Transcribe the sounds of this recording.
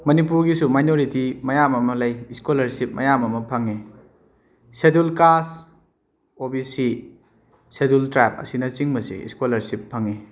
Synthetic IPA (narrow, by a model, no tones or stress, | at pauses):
mɐnipuɾɡisumajnoɾitimɐjamɐmɐlɐjiskolɐɾsip̚mʔɐjamɐmɐpʰɐŋe | sedulkas | obisi | sedultɾap̚ɐ̰sinɐt͡ʃiŋmɐsḭḭskolɐɾsipʰːɐŋe